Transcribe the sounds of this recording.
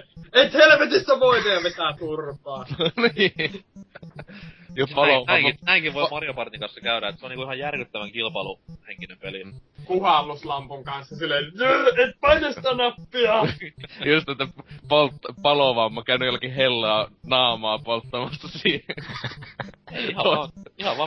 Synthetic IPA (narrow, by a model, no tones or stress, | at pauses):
et̪helʋet̪ist̪æʋoit̪eɑʋet̪æt̪urpɑːni | jospɑloæŋkinæiŋkiʋoimɑrjopɑrt̪iŋkɑnsːɑkæyɾæet̪seoniːkuihɑjjærkyt̪ːæʋæŋkilpɑluheŋkinempelikuhɑˑlːuslɑmpuŋkɑnsjɑsilːeyet̪pɑnost̪ænɑpːiɑjust̪et̪ːæpolt̪ːɑpɑloʋɑmːɑkæˑynyjælːkihhelːɑːnɑːmɑːpolt̪ːɑmɑsːɑsiːhe | eihɑɑnihɑʋʋɑː